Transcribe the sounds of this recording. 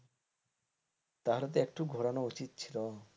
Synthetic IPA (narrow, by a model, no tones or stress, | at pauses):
t̪aɦalot̪eek̚ʈuɡʱoɾanout͡ɕit̪̚t͡ɕʰilo